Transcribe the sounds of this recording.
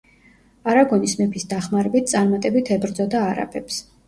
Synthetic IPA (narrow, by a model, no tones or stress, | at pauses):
aɾaɡɔnismɛpʰisd̪aχmaɾɛbit̪̚ʰt̪sʼaɾmat̪ʼɛbit̪ʰɛbɾd̪zɔd̪aːɾa̰pʰɛps